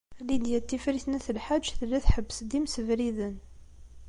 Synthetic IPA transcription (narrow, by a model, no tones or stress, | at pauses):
lid̪jæt̪ːifɾiθnæθəlħad̪ʒθəlːæθħəbːəsd̪imsəvɾiðən